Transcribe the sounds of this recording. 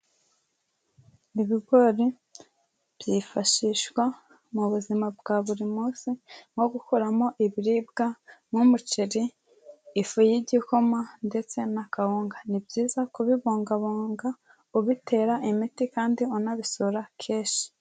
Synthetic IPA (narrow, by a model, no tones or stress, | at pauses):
iβiɡo̞ɾi | bjifaʃiʃwa | muβuzimab̚ɡaβuɾimuːsiŋo̞ɡukuɾamo̞ʔiβiɾib̚ɡamumut͡ʃiɾiː | fujiɟikomande̞t͡se̞nakahuːŋɡanibɟiːzakuβiβoːŋɡaβoːŋɡa | uβitʰe̞ːɾaʔimitikaːndiunaβisuɾakʰeːʃi̥